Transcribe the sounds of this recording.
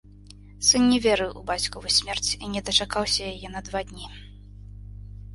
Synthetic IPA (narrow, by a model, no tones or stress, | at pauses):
sɨnnʲɛvʲɛɾɨwṵbat͡sʲkuvɨsʲmʲɛrt͡sʲinʲɛd̪ɐt͡ʂakawsʲɐjajɛnɐd̪vad̪ʲnʲi